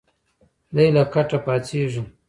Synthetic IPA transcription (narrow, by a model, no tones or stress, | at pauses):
lajlakaʈapaːt͡seʐi